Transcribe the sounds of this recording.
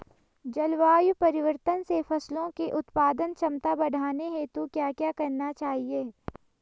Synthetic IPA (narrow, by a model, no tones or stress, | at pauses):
d͡ʒɐlʋaːjupɐɾɪʋəɾt̪ənsefʰɐslõkeʔʊt̪paːd̪ənt͡ʃʰɐmt̪abɐɽʱaːneɦet̪okjaːkjaːkɐɾnat͡ʃaːɦieː